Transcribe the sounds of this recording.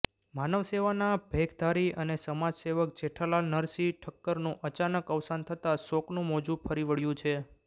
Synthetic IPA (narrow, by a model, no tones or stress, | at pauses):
manəʋseʋanabʱeɡʰd̪ʱaɾiənesəmad͡ʒseʋək̚d͡ʒeʈʰalanəɾsiʈʰəkːəɾnũʔət͡ʃanəkəʋsant̪ʰət̪asoknũmɔd͡ʒũpʰəɾiʋəɭjũt͡ʃʰe